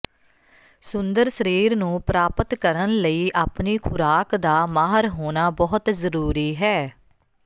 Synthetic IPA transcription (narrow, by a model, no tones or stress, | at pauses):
sʊnd̪əɾsəɾiːɾnũːpɾaːpət̪kəɾənləiːʔaːpniːkʰʊɾaːkd̪aːmaːɦəɾɦoːnaːbɔːɦʊt̪zəɾuːɾiːɦɛː